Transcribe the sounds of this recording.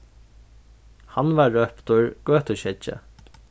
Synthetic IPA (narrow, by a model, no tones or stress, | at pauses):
hanʋaɹœpt̪ʊɹɡ̥øːt̪əɕɛt͡ʃːə̰